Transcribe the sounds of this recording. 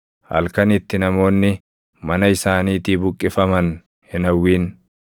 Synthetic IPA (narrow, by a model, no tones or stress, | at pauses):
hɐ̰lkɐnɪt̪ːɪnɐmo̞ːnːɪ | mɐnɐɪsaːniːt̪iːbʊkʼːɪfɐmɐn | hɪnɐwːiːn